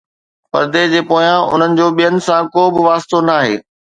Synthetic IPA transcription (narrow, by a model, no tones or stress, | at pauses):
pɐ̰ɾd̪ed͡ʑeːpoːjãʊ̰n̤ənɪ̆d͡ʑoːɓijənɪ̆sãkoːbɪʋaːst̪onaːɦḛː